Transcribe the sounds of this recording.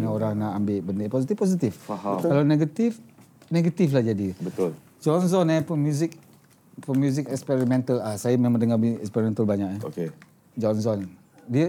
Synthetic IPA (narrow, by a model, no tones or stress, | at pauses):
ɲaoɾaŋnaʔambɪʔbəndəposit̪ifpos̬it̪ifhkalawneɡat̪ɪf | neɡat̪iflahd͡ʒadibət̪ʊl | d͡ʒɔnsɔnəpəmjuzɪk̚ | pəmjuzɪkɛkspɛɾimɛ̃nt̪əlasajamemãdəŋabɛ̰kspɛɾimɛnt̪əlbaɲakaoke | d͡ʒɔns̬ɔn | diə